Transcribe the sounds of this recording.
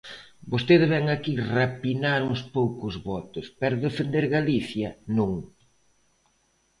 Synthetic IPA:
bost̪eðeβɛŋakirapinaɾŋʊspowkʊzβɔt̪ʊspɛɾðefend̪eɾɣaliθjɐnũŋ

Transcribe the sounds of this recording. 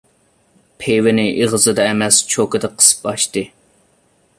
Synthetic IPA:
pʰewɪnɪʔiʁzɨd̪ɑɛmɛst͡ʃʰokɨd̪ɨqʰə̥sɨ̥pɑʃt̪ɨ

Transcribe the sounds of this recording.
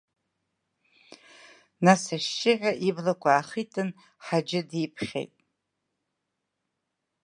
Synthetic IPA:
nasaʃːɪʕʲʷᶣaʔiblakʷʰʼaːχitʰʼɨn | ħad͡ʒɪdipʰχʲḛjtʼ

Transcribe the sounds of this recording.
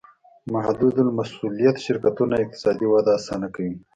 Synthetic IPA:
mahd̪ud̪ulmasulijat̪ʃɪɾkat̪unaɪq̚t̪ɪ̥sɑd̪iwad̪aːsɑnakawim

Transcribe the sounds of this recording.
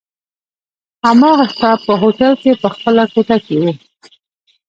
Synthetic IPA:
hamɑɣastapəɦoʈalkepəxpəlakoʈakewu

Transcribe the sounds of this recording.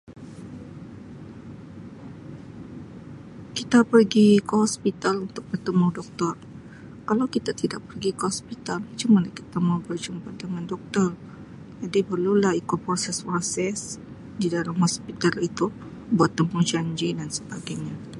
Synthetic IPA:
kit̪apərɡikəhɔspit̪alunt̪ʊk̚bərt̪əmudɔk̚t̪ɔr | kalawkit̪at̪idaʔ̚pərɡikəhɔspit̪almat͡ʃumanlahkit̪amawbərd͡ʒumpat̪̚dəŋandɔk̚t̪ɔr | d͡ʒadipərlulahikopɾosɛspasɛs | didalamhɔspit̪alit̪u | buat̪ːəmud͡ʒaɲd͡ʒidansəbaɡajɲa

